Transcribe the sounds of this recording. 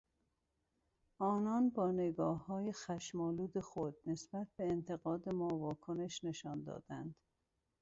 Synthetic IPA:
ʔɒːnɒːnbɒːneɡɒːhːɒːjexæʃmɒːluːd̪e̞xod̪̚ne̞sb̥æt̪̚ʰbe̞ːnt̪ʰe̞ɣɒːd̪e̞mɒːvɒːkʰone̞ʃne̞ʃɒːnd̪ɒ̰ːd̪̥ænd̪̥

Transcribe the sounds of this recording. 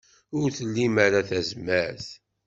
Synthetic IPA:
ʊɾθəlːimaɾaθæzməɾθ

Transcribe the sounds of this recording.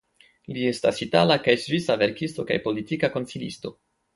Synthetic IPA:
lie̞stasitalakajsvisave̞ɾkisto̞ka̰jpo̞litikako̞nsilisto̞̰

